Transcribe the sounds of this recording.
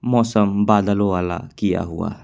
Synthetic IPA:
mɔsambadaloala̰kia̰ɦṵa̰

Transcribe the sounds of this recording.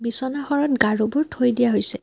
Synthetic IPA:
bisɔnaxɔɹɔtɡaɹobuɹtʰojdijaɦojsɛ

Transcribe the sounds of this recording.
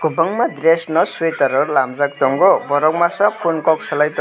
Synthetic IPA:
ɡ̥ubʌŋmad̪resnʌswet̪ʌɾʌɾlamd͡zak̚t̪ɔŋɡobʌɾɔkmasʌpʰunkɔk̚sʰʌlajt̪

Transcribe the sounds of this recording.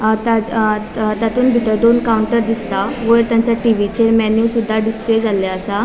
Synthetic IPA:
t̪a | t̪jat̪uːnbʱiʈəɾd̪onkawuɳʈəɾd̪ist̪aʋəɾt̪jãɲt͡ɕjaʈiʋit͡ɕeɾmɛnjuːsud̪ʱːaɖispled͡zaljaəsa

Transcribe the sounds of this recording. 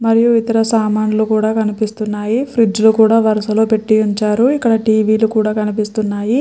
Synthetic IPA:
mɐɾijuit̪ɐɾɐsaːmaːnulukuːɽaːkɐnipist̪unːaːjipʰɾid͡ʒlokuːɽaːʋɐɾɐsɐloːpe̞ʈːiuɲt͡ʃaːɾuikːɐɽɐʈiːʋiːlukuːɽaːkɐnipist̪unːaːji

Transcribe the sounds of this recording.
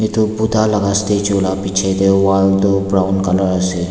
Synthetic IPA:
et̪obʊd̪ʱalɐɡast̪et͡ʃoːlapit͡ʃʰet̪eoʋaːlt̪obɾaʊnkɐləɾəse

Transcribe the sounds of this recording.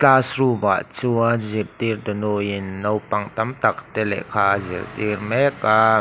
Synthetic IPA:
taːsruba̰ʔt͡suɐzirt̪ird̪ənojɪnːowpaŋt̪amt̪ak̚t̪ɛlɛ̰ʔkʰaːzirt̪irmɛka

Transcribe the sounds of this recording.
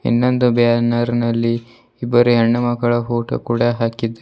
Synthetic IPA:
ḭnːond̪ubjaːnɐɾnɐlːi | ibːɐɾuɦeɳːɐmɐɡɐɭɐfoːʈɐ̰kuːɽɐɦaːkid̪ːɐ

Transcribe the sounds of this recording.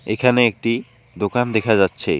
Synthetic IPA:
ekʰaneek̚ʈi | d̪okand̪ekʰad͡ʑatːɕʰḛ

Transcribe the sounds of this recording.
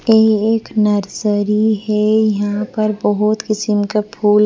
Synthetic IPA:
eːeːknɐɾzəɾiɦɛjɐɦãpɐɾbɐɦʊt̪kɪsɪmkapʰuːl

